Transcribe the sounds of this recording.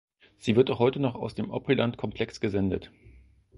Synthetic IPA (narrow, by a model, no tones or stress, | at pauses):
z̥iːvɪɐtaʊχhɔʏtənɔχaʊsd̥eːmʔɔpʁilantkʰɔmpʰl̥ɛksɡ̥əzɛndət